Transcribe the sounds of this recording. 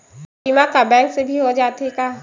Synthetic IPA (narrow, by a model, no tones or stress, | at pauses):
imakabɛ̃ːŋksebʱiɦod͡ʒaːt̪ekaː